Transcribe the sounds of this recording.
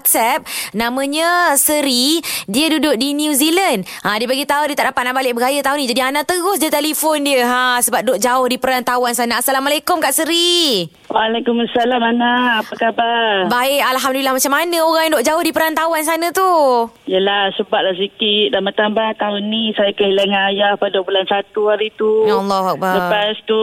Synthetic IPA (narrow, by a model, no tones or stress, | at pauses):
t̪̚sɛp̚nãmə̃ɲə̃səɾidiədudʊʔ̚dinuzilənd | ʔãdiəpaɡit̪aʊndiət̪aʔdapat̪̚naʔbalɪʔ̚bəɡajət̪aʊnĩd͡ʒadianat̪əɣʊsd͡ʒət̪elifʊndiəɦasəbap̚dʊʔ̚d͡ʒaʊhdipəɾant̪awansanaasalamalekʊmkaʔsəɾi | walakumasalamanaːpakabarbaɪkalɦamdulilahmat͡ʃamanə̃oɣaŋjaŋdoʔ̚d͡ʒaʊhdipəɾant̪awans̬anə̃t̪u | ijəlahsəbat̪̚las̬ikit̪̚damat̪ambaht̪aʊnːisajakəɦilaŋaajahpaduəbulansat̪uaɾit̪ujalːɔɦak̚baləpast̪u